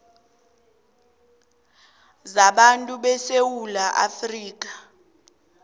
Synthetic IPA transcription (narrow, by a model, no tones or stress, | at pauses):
zaɓantʼuɓɛsewulaʔa̰friːk̬ʼḁ